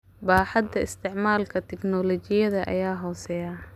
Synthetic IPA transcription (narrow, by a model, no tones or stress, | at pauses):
baːħɑd̪ɐɪst̪ʰɪʕmaːlkʰɐt̪ʰɛknɔlɔt͡ʃɪjɐðɐʔɐ̰jaːɦɔːsɛjaː